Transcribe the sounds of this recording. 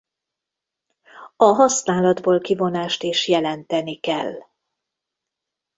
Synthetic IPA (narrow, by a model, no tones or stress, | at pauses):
ɒɦɒsnaːlɒd̪boːlkivo̞naːʃt̪eːʃjɛlɛnt̪ɛnikɛl